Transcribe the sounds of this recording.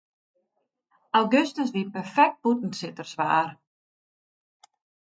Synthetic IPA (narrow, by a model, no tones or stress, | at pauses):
awɡøstəs̬dipərfɛk̚t̚putn̩tsɪtərsʋaːr